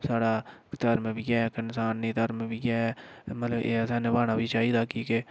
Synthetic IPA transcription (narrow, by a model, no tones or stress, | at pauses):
saːɽaːkt̪əɾmẽːbiːɡɛːkənsaːnːĩːt̪əɾmẽːbiːɡɛːmət̪ləbeːsɛːnẽːbaːnaːbiːt͡ʃaːiːd̪aːkiːke